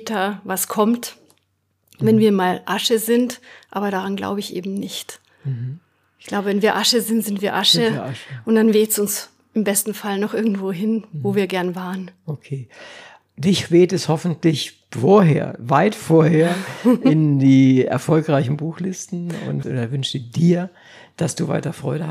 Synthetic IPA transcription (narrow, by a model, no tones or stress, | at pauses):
tɐvaskʰɔmt | vɛnviːɐmaːlʔaʃəzɪntʔa̰ːbɐɾaʁanɡla̰ʊbəɪçʔḛːbm̩nɪçt̩ | ʔɪçɡ̥laʊbəvɛnviːɐʔaʃəzɪntz̥ɪntv̥iːɐʔaʃəʔʊntd̥anveːtsʊns | ɪmbɛstn̩falnɔχʔɪɐɡŋ̩tv̥oːɦɪnvoːviːɐɡɛɐnvaːʁənʔokʰeː | dɪçv̥eːtɛshɔfn̩tlɪç | foːɐɦḛːɐvaɪtfoːɐheːɐʔɪndiːɛ̰ɐfɔlkʁaɪçn̩buːxlɪstn̩ʊ̰ntːdɐvʏnʃɪd̥iːɐ | d̥asd̥uːva̰ɪtɐfʁ̥ɔʏɾə